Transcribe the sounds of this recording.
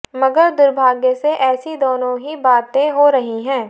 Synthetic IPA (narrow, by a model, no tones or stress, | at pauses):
mɐɡəɾd̪ʊɾbʱaːɡjəseʔɛːsid̪ɔːnõɦibaːt̪ẽɦoɾɐɦiɦɛ̃ː